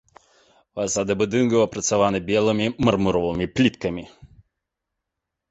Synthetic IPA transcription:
vɐsad̪ɨbud̪ɨnɡɐwɐpɾɐt̪savanɨbʲɛlˠɨmʲimɐrmuɾɔvɨmʲiplʲit̪kɐmʲi

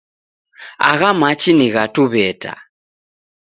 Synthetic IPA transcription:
a̰ɣamat͡ʃiniɣatuβɛta̰

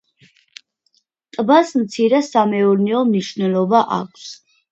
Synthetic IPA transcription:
t̪ʼbasmt̪sʰiɾɛsamɛuɾniɔmniʃvnɛlˠɔbaʔa̰kʷʰs

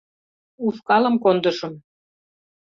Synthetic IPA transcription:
uskɑlə̆mkond̪ə̆ʃɤ̆m

